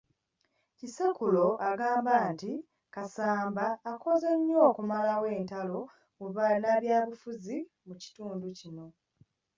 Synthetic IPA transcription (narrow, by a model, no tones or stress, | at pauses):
cisekulo̞ʔaɡaːmbaːnti | kasaːmbaːko̞zeɲːo̞ːkumalawe̞ːntalo̞ | uβanaβjaːβufuzi | muci̥tuːnducino̞